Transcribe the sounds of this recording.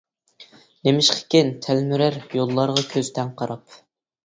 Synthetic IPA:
nemɪʃqʰɪ̥kʲent̪ʰælmyɾæɾjolˠːɑɾʁɑkʲʰøzt̪ʰɛnqʰɑɾɑp

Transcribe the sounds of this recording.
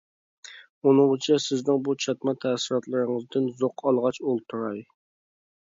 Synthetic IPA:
unɨŋt͡ʃʰɛsɪznɪŋbut͡ʃʰɑt̪mɑt̪ʰæsɪɾɑt̪lˠɨɾɨŋɨzd̪ɨnzoqʰɑlˠʁɑt͡ʃolˠt̪ʰuɾɑj

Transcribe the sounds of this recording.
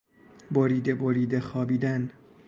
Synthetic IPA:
boɾiːd̪eboɾiːd̪exɒːbiːd̪æn

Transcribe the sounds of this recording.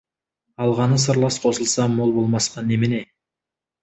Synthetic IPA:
ɑlˠʁɑnəsəɾlˠɑsqʰo̞səlˠsɑmo̞lˠbo̞lˠmɑsqɑnːemɪne

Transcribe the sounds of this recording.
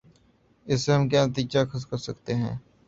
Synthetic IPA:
ɪsːeɦɐmkjaːnət̪iːd͡ʒakʰɐskɐɾsɐkt̪eɦɛ̰̃ː

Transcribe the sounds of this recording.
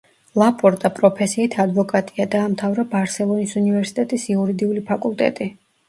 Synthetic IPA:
lˠapʼɔɾt̪ʼapʼɾɔpʰɛsiːt̪ʰad̪vɔkʼat̪ʼiad̪aːmt̪ʰavɾabaɾsɛlˠɔnisunivɛɾsi̥t̪ʼɛt̪ʼisiuɾid̪iulipʰakʼulˠt̪ʼɛ̰t̪ʼi

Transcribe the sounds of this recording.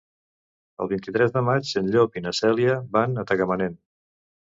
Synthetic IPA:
ə̰lˠβint̪it̪ɾɛzðəmat͡ʃsənʎopinəsɛliəβanət̪əɣəmənen

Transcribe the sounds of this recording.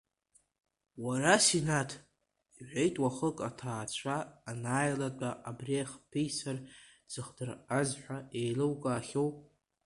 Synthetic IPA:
waɾasinatʰ | iħʷᶣejtʼwaχəkʼatʰaːt͡ʃʷʰaːnaːjlat͡pʷʼaʔabreχpʰejsar | d͡zɨχdɨrazħʷaejlɨwkʼaːχʲowpʼ

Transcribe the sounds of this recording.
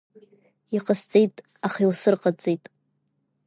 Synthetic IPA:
iqʼəst͡sʼejtʼ | aχiwsɨrqʼat͡sʼejtʼ

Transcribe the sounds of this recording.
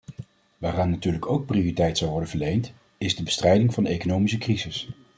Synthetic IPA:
ʋaːraːnːatyːɹləkowk̚prioritɛjtsɑwʋɔɹdənvəɹlejnt | ɪzdəbəstrɛjdɪŋvɑndəejkonowmis̬əkrizɪs

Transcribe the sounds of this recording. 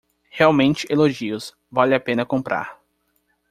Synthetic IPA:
heawmẽnt͡ʃɪʔeloʒiʊs | valɪapẽnɐkõmpɾa̰ɾ

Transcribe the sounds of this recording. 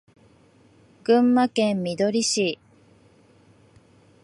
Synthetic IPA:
ɡ̥ɯ̟̃mːakẽ̞mːʲid̪o̞ɾʲiɕi

